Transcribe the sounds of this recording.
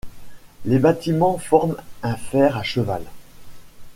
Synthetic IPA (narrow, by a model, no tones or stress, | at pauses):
lebat̪imɑ̃fɔʁmɛ̃fɛʁaʃəva̰l